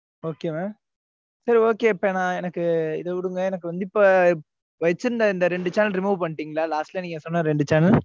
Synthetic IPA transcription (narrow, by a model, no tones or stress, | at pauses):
oːkeːmaː | sɐɾioːkeːɪpːenãːɛnɐkːɯɪ̰ðɐʋɪɽɯŋɡɐɛnɐk̬ːɯʋɐnd̪ɪpːoː | ʋɐjt͡ʃːɯɾɯnd̪ɐɪnd̪ɐɾɛɳɖɯt͡ʃaːnɐlɾɪmuːʋpɐɳːʈːiːŋɡɐɭalaːsʈlɐniːŋɡɐsɔnːɐ̃ɾɛɳɖɯt͡ʃaːnɐl